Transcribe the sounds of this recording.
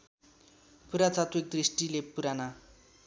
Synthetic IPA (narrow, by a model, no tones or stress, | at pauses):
puɾat͡sat̪wek̚d̪risʈilepuɾana